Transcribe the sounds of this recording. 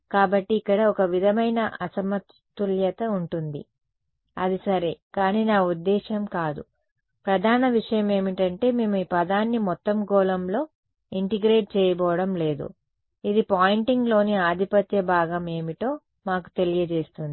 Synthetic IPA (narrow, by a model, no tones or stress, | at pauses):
kaːbɐʈːiːkːɐɽɐɔkɐʋid̪ʱɐmɐjnɐʔɐsɐmɐt̪ː | uljɐt̪ɐuɳʈund̪ḭ | ɐ̰d̪isɐɾe̞ːkaːniːnaːud̪ːɛːʃɐmkaːd̪ṵ | pɾɐd̪ʱaːnɐʋiʂɐjɐme̞ːmiʈɐɳʈe̞ːmeːmuiːpɐd̪aːnːimɔt̪ːɐmɡɔːlɐmlo̞ː | iɳʈiɡɾeːʈ̚t͡ʃɛːjɐbɔːʋɐɽɐmle̞ːd̪ṵ | id̪ipaːjɳʈiŋɡlo̞ːniaːd̪ʱipɐt̪jɐbaːɡɐme̞ːmiʈo̞ː | maːku̥t̪e̞lijɐt͡ʃe̞ːst̪und̪i